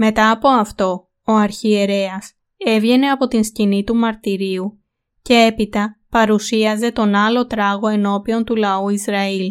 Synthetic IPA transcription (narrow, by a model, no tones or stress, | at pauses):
me̞t̪ɐːpo̞ɐft̪o̞ | oɐɾçie̞ɾe̞ɐs | e̞vʝe̞ne̞ɐpo̞t̪inscinit̪umɐɾt̪iɾiu | ce̞e̞pit̪ɐpɐɾusiɐze̞t̪o̞nɐlo̞t̪ɾɐɣo̞e̞no̞pio̞nt̪ulɐuizɾɐil